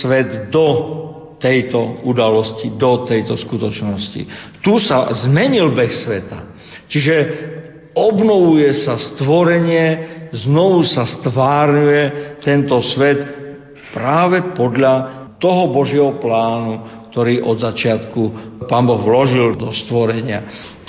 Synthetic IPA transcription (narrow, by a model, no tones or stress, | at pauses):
sʋɛd̪d̪ɔ | t̪ɛjt̪ɔud̪alɔscid̪ɔt̪ɛjt̪ɔskut̪ɔt͡ʃnɔscḭt̪usa̰zmɛɲilbɛxsʋɛt̪a̰ | t͡ʃiʒɛ | ɔbnɔʋujɛsast̪ʋɔɾɛɲɪɛznɔʋusast̪ʋaːɾɲujɛt̪ɛnt̪ɔsʋɛt̪ | pɾaːʋɛpɔd̪ʎa | t̪ɔɦɔbɔʒɪɛɦɔplaːnuk̚t̪ɔɾiːʔɔd̪zat͡ʃɪat̪kupaːnbɔɣʋlɔʒild̪ɔst̪ʋɔɾɛɲɪa̰